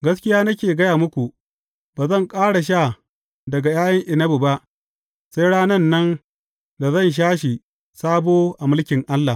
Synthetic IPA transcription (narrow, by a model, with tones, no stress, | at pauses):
ɡɐ˦skʲɪ˦jaː˦nɐ˦kʲeː˨ɡɐ˦jaː˨mʊ˦kʷu˨ | b̥aː˨zɐ˦˨ŋkʼaː˦ɽa˨ʃ̬aː˦˨ | dɐ˨ɡa˨jaː˦jɐ˦ŋʔɪ˨nɐ˦bu˨ba˦ʔ | se˦jɽaː˦nɐ˦nːɐ˦n | da˨zɐ˦˨nʃ̬aː˦ʃi˨ | saː˦boː˦ʔa˨mʊ˦lkʲɪ˨ŋʔa˦lːa˨